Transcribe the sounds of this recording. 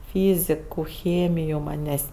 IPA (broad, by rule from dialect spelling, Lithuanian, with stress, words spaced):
ˈfʲiːzʲɪkʊ ˈxʲeːmʲɪjʊ ˈmɑːnʲeːsʲ